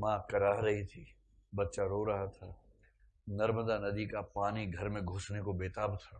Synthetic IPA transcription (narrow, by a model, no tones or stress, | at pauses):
mãːkɐɾaːɦɾɐɦit̪ʰiː | bɐt̪ːʃaɾoːɾɐɦat̪ʰaː | nɐɾmd̪anɐd̪ikapaːniɡʱɐɾmẽɡʱʊsnekobeːt̪aːbt̪ʰaː